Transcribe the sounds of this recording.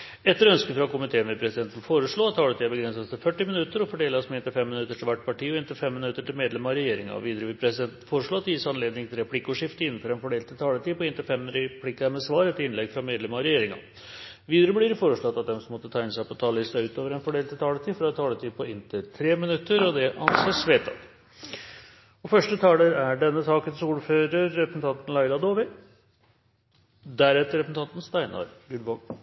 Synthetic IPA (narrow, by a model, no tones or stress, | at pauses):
ɛt̪ːəɾœnskənfɾɑkʊmɪt̪ʰeːənʋɪpʰɾɛsɪd̪ɛnt̪ənfoːɾəʂɭoːɑt̪ʰːɑːlət̪iːəbəɡɾɛnsɑst̪ʰɪlfœʈːɪmɪnʉt̪ːəɾɔfɔɖeːlsmɛɪnt̪əfɛmːɪnʉt̪ːəʈʰɪlʋæʈːpʰɑʈiːɔɪnt̪ɪfɛmːɪnʉt̪ːəʈɪlmeːd̪lɛmɑɔɾɛjeːɾɪŋɑ̰ʋiːd̪əɾəʋɪpʰɾɛsɪd̪ɛnt̪n̩foːɾəʂɭoɑt̪jɪːsɑnleːd̪nɪŋt̪ʰɪlɾɛpʰlɪkːəʊʂɪft̪əɪnːn̩fɔɾɛnfɔɖeːlt̪ʰɪlt̪ʰɑːlət̪ʰiːpʰɔɪnt̪ɪfɛmɾɛpʰlɪkːəæmɛsʋɑːɾɛt̪ːɪnlɛɡfɾɑmeːd̪lɛmɑɔɾɛjeːɾɪŋɑ̰ | ʋiːd̪əɾəblɪɾfoːɾəʂɭɔt̪ːɑt̪̚d̪ɛmsɔmːɔt̪ːət̪ʰæɪɪnəsæɪpɔt̪ʰɑːllɪst̪ɑʉːt̪oːʋəɾɛnfɔɖeːlt̪ʰːɪlt̪ʰɑːlət̪ʰiːfɾɑɛt̪t̪ʰɑːlət̪ʰiːd̪pʰɔɪnt̪ʰɪt̪ʰɾeːmɪnʉt̪ːəɾɔd̪ɛʔɑ̰nseːʂʋeːt̪ʰɑ̰t̪ | ɔfœʂʈət̪ʰɑːləɾæɖɛnːəsɑːkənsɔuːɾføːɾəɾːɛpɾəsn̩t̪ɑnt̪n̩læɪɾɑd̪oːʋɪ | d̪æɾɛt̪ːəɾɛpɾsn̩ɑnt̪n̩st̪æɪnɑ̰ɾɡʉlʋɑːɡ